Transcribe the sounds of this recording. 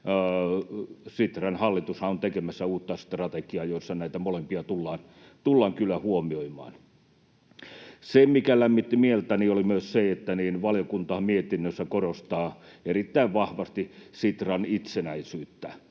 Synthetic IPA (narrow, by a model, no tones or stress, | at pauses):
sit̪rɑnhɑlːit̪ushɑont̪ekemæsːæuːt̪ːɑsi̥t̪rɑt̪ekiɑjoisːɑnæit̪æmolempiɑt̪ulːɑːn | t̪ulːɑːŋkylæhuomioimˑɑ̰ːn | semmikælæmːit̪ːimielt̪æniːolimyøsseet̪ːæniːnʋɑlijokunt̪ɑɑmiet̪inːøsːækorost̪ɑːerit̪ːæiʋʋɑhʋɑst̪isit̪rɑnit̪senæisyːt̪ːæ